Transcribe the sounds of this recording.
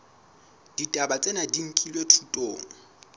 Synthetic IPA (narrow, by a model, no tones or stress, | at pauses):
d̥itʼabat͡sʼenadiŋ̩kʼilwetʰutʼoːŋ̩